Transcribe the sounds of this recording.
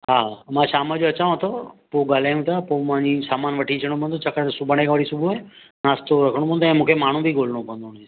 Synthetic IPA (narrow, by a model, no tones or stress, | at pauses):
ɦaːamãːʃaːmad͡ʑoɐt͡ɕaːõɦət̪ʰopoːɡaːl̤aːjũt̪ʰapoːmãɲd͡ʑisaːmaːnʋɐʈʰit͡ɕʰəɽ̃õpə̃ːnd̪ot͡ɕʰakəsʊbʱəɽ̃ekʰãʋɐɽ̤isʊbʱuae | naːst̪oɾɐkʰəɽ̃pʰə̃nd̪oɛ̃ːmũːkʰemaːɳ̤ũbʱiɡoːl̤əɽ̃õkə̃nd̪one